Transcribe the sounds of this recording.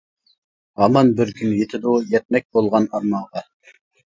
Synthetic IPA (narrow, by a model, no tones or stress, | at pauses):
ɑmɑnbɪɾkʲʰynjet̪ʰɪd̪ujɛt̪̚mɛk̚ʲbolˠʁɑnɑɾmɑʁɑ